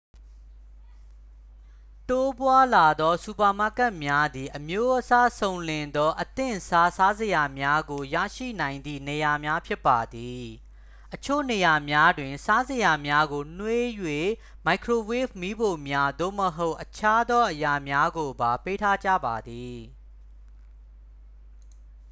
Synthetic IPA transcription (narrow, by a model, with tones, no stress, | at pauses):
to˦pwa˦la˨d̪ɔ˦su˨pa˨ma˦˨ka˦ʔmja˦d̪i˨ʔəmjo˦ʔəsa˦sõ˨ʊ̃lɪ̃˨nd̪ɔ˦ʔət̪ɪ̰̃˦˨sa˦sa˦zə˨ja˨mja˦ɡo˨jä̰˦˨ʃḭ˦˨nã˨ɪ̃nd̪ḭ˦˨ne˨ja˨mja˦pʰjɪ˦pːa˨d̪i˨ | ʔət͡ɕʰo̰˦˨ne˨ja˨mja˦dwɪ̃˨nsa˦zə˨ja˨mja˦ɡo˨n̥we˦jwe˦˨ | ma˨ɪkʰɹo˨we˦˨pmi˦bo˨mja˦d̪o̰˦˨məɦo˦ʊʔət͡ɕʰa˦d̪ɔ˦ʔəja˨mja˦ɡo˨ba˨pe˦tʰa˦˨d͡ʑä̰˦˨ba˨d̪i˨